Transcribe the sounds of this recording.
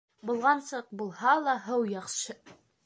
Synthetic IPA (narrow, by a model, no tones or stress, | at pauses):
bulˠʁɑnsɤq̚bulˠhɑlˠɑɦɤwjɑqʃɤ